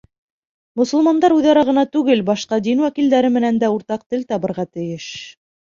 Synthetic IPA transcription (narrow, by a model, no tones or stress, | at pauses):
mŏsɤ̆lˠmɑnd̪ɑɾʉðɑɾɑʁɤ̆nɑt̪ʉɡɘlbɑʃqɑd̪inwækild̪æɾɘmɘ̆nænd̪æuɾt̪ɑq̚t̪ɘlt̪ɑβɤ̆ɾʁɑt̪ɘ̆jɘʃ